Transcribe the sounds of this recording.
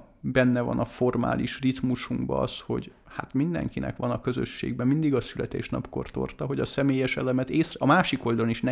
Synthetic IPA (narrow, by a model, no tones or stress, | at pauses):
bɛnːɛvɒ̰nɒfo̞rma̰ːliʃrit̪muʃuŋɡbɒɒsho̞̰ɟ | hat̪mind̪ɛ̰ŋkinɛ̰kʋɒnɒkøzø̰ʃːḛːɡ̚bɛmːind̪iɡɒsylɛt̪ḛːʃnɒpko̞rt̪o̞̰rt̪ɒɦo̞ɟɒsɛmeːjɛʃɛlɛmɛt̪eːsrɛɒmaːʃiko̞ld̪ɒloniʃnɛ